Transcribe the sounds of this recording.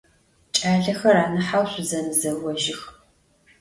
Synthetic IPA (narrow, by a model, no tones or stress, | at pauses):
t͡ʃʼaːɮɐxɐraːnɨħawɕʷʊzɐnɨzɐwɔʒɪx